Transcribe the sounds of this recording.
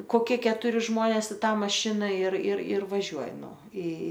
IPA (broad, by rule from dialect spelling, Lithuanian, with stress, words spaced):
koːˈkʲiɛ kʲɛtʊˈrʲɪ ˈʒmoːnʲeːs ɪ ˈtɑː mɐˈʃʲɪnɐ ɪr ɪr ɪr ʋɐˈʒʲuɔjɪ ˈnʊ ɪ